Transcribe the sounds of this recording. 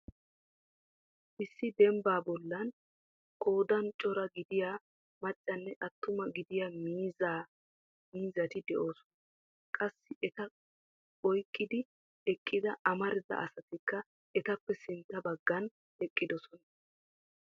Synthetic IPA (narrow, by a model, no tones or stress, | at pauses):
ʔɪsːɪd̪ɛmbaːbɔlːɐn | kʰo̞ːd̪ɐnt͡ʃʼɔɾɐɡɪd̪ɪjaː | mɐt͡ʃʼːɐnːɛʔɐt̪ːʊmɐɡɪd̪ɪjaːmiːzaː | miːzɐt̪ɪd̪ɛʔo̞ːsɔ̥nɐ | kʼɐsːɪʔɛt̪ɐ | ɔjkʼːɪd̪ɪ | ɛkʼːɪd̪ɐʔɐmɐɾɪd̪ɐ̰ʔɐsɐt̪ɪkːɐ | ɛt̪ɐpːɛsɪnt̪ːɐbɐɡːɐn | ɛkʼːɪd̪ɔsɔnɐ